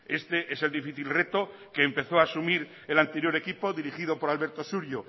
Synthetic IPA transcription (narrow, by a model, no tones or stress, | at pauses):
e̞st̪eʔese̞ld̪ifiθilre̞t̪o̞ | ke̞ːmpe̞θoaːsumiɾ | elant̪e̞ɾjo̞ɾe̞kipo̞ðiɾixiðo̞po̞ɾalβe̞ɾt̪o̞suɾjo